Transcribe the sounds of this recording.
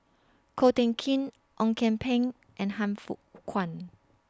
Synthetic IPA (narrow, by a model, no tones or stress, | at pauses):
kʰotɛ̃ŋkʰĩn | ʔɔ̃ŋkʰɛ̃mpʰẽŋ | ʔɛ̃nɦãmfṵkʰwãn